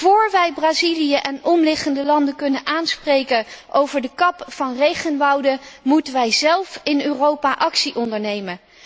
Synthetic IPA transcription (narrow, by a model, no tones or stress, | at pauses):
v̥oːɹʋɛjbraːzilijəʔɛnɔmlɪχəndəlɑndəkɵnənʔaːnsprejkənʔowvəɹdəkɑpfɑnrejχənʋɑwdəmutənʋɛjzɛlˠfɪnøːrowpaʔɑksiʔɔndəɹnejmən